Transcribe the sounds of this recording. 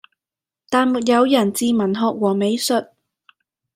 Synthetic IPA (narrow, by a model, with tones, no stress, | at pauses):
t̪aː˨nmu˨˩t̚jɐ˨˧wjɐ˨˩nt͡siː˨˧mɐ˨˩nɦɔː˨˧k̚wɔː˨˩me˨˧jsɵ˨t̚